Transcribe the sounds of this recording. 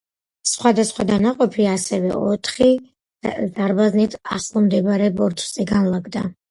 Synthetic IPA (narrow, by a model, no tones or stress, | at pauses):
sχwad̪asχwad̪anaqʼɔpʰiasɛvɛ̰ɔt̪ʰχi | zaɾbaznit̪ʰaχlˠɔmd̪ɛbɾɛbɔɾt̪ʰz̥ɛɡanlˠaɡd̪a